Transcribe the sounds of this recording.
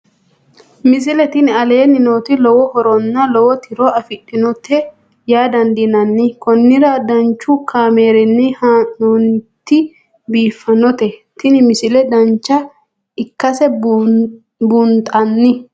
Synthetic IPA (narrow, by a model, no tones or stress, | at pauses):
mɪs̬ɪlɛt̪ɪnɐle̞ːnɪno̞ːt̪ɪlɔwɔhɔɾɔnːɐlɔwɔt̪ʰɪɾɔɐfɪɗːɪnɔt̪ʰɛ | jaːd̪ɐnd̪ɪnɐnːɪkɔnːɪɾɐd̪ɐnt͡ʃːʊkʰaːmeːɾɪnːɪhanːɔnt̪ːɪ | biːfːɐnɔt̪ɛt̪ɪnɪmɪsɪlɛd̪ɐnt͡ʃːɐ | ɪkːɐsɛ | bunt̪ʼɐnːɪ